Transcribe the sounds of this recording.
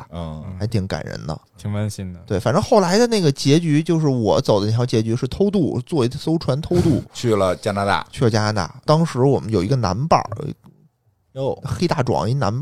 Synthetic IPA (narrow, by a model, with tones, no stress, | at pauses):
a˧˥ɪt̪ʰi˧˥ŋka̰˨˩nɻə̰˧˥nd̪ə̰˧t̪ʰi˧˥ŋfa˥nɕi˥nə˩t̪we˥˩ɪfa˨˩nʈ͡ʂɤ˥xo˥˩ʊla˧˥ɪd̪ə˧na˥˩ɡə˩t͡ɕjɛ˧˥t͡ɕy˧˥t͡ɕjo˥˧ʊʂ̬ɻ̩˥˩wɔ˨˧˩t͡sɑ˨˩ʊd̪ə˦˥˩ɑ˧˥t͡ɕjɛ˧˥t͡ɕy˧˥ʂɻ̩˥˩t̪ʰo˥ʊt̪̬u˥˩t͡swɔ˥˩i˧˥˧so˥ʊʈ͡ʂʰwa˧˥nt̪ʰo˥ʊt̪u˥˩t͡ɕʰy˥˩lə˩t͡ɕja˥na˧˥t̪a̰˥˩t͡ɕʰy˥˩ə˩t͡ɕja˥na˧˥t̪a̰˥˩t̪ɑ˥ŋʂɻ̩˧˥wɔ˨˩mə˦njo˨˩ʊi˧˥ɡə˧na̰˧˥npə̰˨˩˦ | xe˥ɪt̪a˥˩ʈ͡ʂwɑ̰˨˩˦ŋi˧˥˧na̰˧˥np